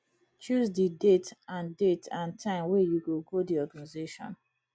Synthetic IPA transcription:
t͡ʃuzdidetãndetãntʰãɪ̃mwɛjuɡoɡodiɔɡanizeʃɔ̰̃n

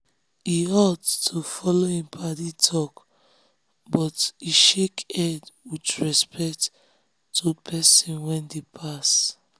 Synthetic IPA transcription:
hiɔttʰufɔlohĩmpʰaditʰɔk | bɔtiʃekɛdwitɹɛspɛktːʰ | opʰɛsɔ̃nwɛ̃ndepʰas

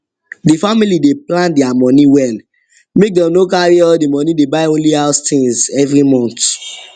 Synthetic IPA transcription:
difamilideplãndɛamɔniwɛl | mek̚dɛ̃mnokaɹiɔldimɔ̃nĩdebaɪõnlihaʊstʰĩŋzɛvɹimɔ̃nt

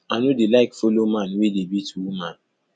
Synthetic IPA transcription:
anudelaɪkfolomãnwedebituwuman

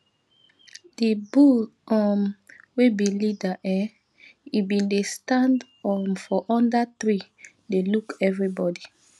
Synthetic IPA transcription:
d̥ibuɔmwebilidaʔɛ | ibĩndestãnd | ɔmfɔʔɔ̃ndatɹi | delukɛvɹibɔdi

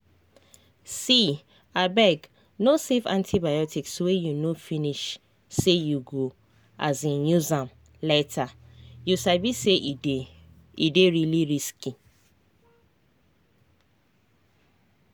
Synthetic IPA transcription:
si | abɛɡ | nosefã̰ntʰibajɔtʰikswejunofiniʃ | sejuɡo | a̰zĩnnuzãm | letʰajusabise | ideɹiliɹiski

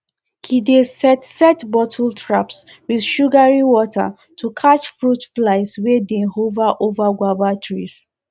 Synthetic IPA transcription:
kʰidesɛtsɛtbɔtʰltʰɹaps | wiðʃuɡaɹiwɔtʰa̰ | tʰukʰat͡ʃfɹutflaɪswedẽnhovaʔovaɡwabatʰɹḭs

